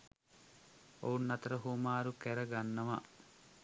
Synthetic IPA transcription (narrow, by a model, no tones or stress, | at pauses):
ounnɐt̪ɐɾɐɦumaːɾukɛɾɐɡɐnːɐmɐ̰